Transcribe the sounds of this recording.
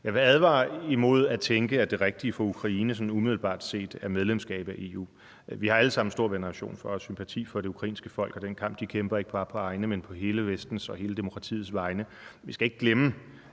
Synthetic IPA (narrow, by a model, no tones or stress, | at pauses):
jɑɪʋe̝æðˠʋɑ̰̈ːimo̝ð̞̰ˠæt͡sʰeŋɡ̥əæd̥e̝ʁɛɡ̥̚d̥iəfɒ̽ukʰʁɑ̈iːnəsɒ̽numiðˠl̩b̥ɑ̰̈ːd̥se̝̰ːd̥æɐmeð̞ˠlemsɡ̥ɛ̰ːb̥æʔe̝ːṵː | ʋihɑ̈æləsɑ̈m̰n̩sd̥o̝ɐ̰ɡ̥e̝nəʁɑ̈ɕo̝̰ːnfɒ̽sympʰæt͡sʰḭːfɒ̽ɾ̥e̝ukʰʁɑ̈ḭːnsɡ̥əfɒ̽l̰ɡ̥ɒ̽d̥enkʰɑ̈m̰b̥d̥ikʰemb̥ɐeɡ̥əpʰɑ̈ːpʰɒ̽ɑ̈ɪnəmenpʰɒ̽ɦe̝ːləʋesd̥n̩sɒ̽ɦe̝ːləd̥e̝mo̥kʰʁɑ̈t͡sʰḭːð̩ˠsʋɑ̈ɪnə | ʋisɡ̥æe̝ɡ̥ɡ̥lemə